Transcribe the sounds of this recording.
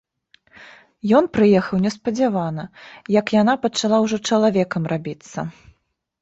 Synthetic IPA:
jɔnpɾɨjɛxɐwnʲɛspɐd͡zʲavanɐjɐkjanapɐt͡ʂalˠawʐɔt͡ʂɐlˠavʲɛkɐmrabʲit̪sːɐ̰

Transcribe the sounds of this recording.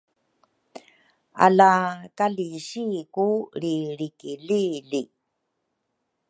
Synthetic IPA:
a̰lakaliɕikuɾiɾikilili

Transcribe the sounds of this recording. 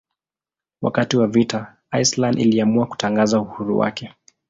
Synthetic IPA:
wa̰katiwavita | ajslandḭliamuaku̥taŋɡazauhuɾṵwa̰kɛ

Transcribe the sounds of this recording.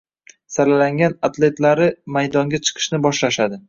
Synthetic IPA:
salalaŋɡʲanat̪le̞t̪laɾɪmajd̪ɒŋɡʲat͡ʃʰɨ̥qʰɨ̥ʃnɪbɒʃlaʃad̪ɪ

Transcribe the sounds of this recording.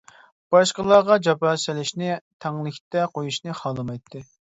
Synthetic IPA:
b̥ɑʃqəlˠɑːʁɑd͡ʒɑpɑːsɪlɪʃnɪt̪ʰɛŋlˠɪkʲt̪ɛqʰojuʃnɨχɑːlˠɨmɑjt̪ʰːɨ

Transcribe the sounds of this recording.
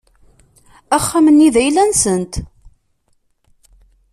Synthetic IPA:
æχːamənːiðæjlænsənt̪

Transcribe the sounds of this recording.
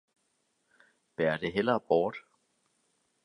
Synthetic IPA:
b̥æɐd̥e̝ɦel̰ɐb̥ɒːd̥

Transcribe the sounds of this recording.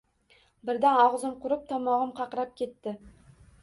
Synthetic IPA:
bɪɾd̪anɒʁzɨmqʰʊɾɪp̚t̪ʰɒmɒʁɨmqʰɑqɾap̚kʲʰe̞t̪ːɪ

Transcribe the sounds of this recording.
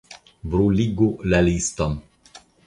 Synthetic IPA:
bɾuliɡulaliston

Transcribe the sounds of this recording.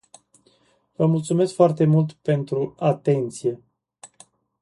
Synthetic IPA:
vəmult̪sume̞skfoart̪e̞mult̪pe̞nt̪ɾuat̪e̞nt̪sije̞

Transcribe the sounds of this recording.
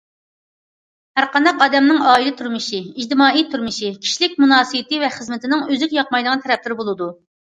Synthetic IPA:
hæɾqɑnd̪ɑqɑːd̪ɛmnɪŋɑːilɪt̪ʰyɾmɪʃiid͡ʒt̪ɪmɑːijt̪ʰyɾmɪʃikʲʰi̥ʃilɪk̚ʲmunɑːsɨjɪt̪ɪvɛχəzmɪt̪ʰɪnɪŋøzɪkʲjɑqmɑjd̪əʁnt̪ʰɛɾɛp̚t̪ʰɪɾbolˠɨd̪u

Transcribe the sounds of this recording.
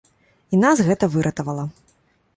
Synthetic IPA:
inazɣɛt̪ɐvɨɾʔɐt̪ɐvɐlˠɐ

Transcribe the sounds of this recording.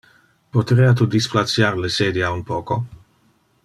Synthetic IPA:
pot̪ɾeat̪ud̪isplat̪sjaɾleseːd̪iaunpoːko

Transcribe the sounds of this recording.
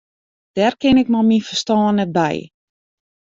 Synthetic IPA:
d̥ɛrkɪnɪkmalminfərstɔːnːɛt̚bɛ̰j

